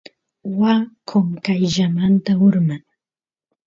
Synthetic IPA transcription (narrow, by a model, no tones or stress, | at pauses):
wakʰoŋkajʒamant̪aʊɾmaŋ